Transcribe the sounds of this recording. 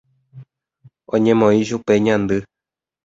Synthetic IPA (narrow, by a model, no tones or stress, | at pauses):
õɲẽ̞mõĩʃupe̞ɲãnd̪ɨ